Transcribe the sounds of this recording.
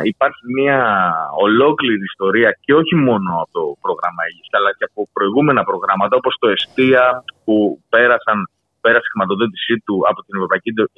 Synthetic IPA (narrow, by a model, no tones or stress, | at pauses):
ipɐɾçimiɐo̞lo̞kliɾiːst̪o̞ɾiɐce̞o̞çimo̞no̞ɐpot̪o̞pɾo̞ɣɾɐmɐeʝisɐlɐceɐpo̞pɾo̞iɣume̞nɐpɾo̞ɣɾɐmɐt̪ɐo̞po̞st̪o̞e̞st̪iɐpupe̞ɾɐsɐn | pe̞ɾɐse̥xɾimɐt̪o̞ðo̞t̪i̥sit̪uɐ̰po̞t̪inevɾopɐicied̪o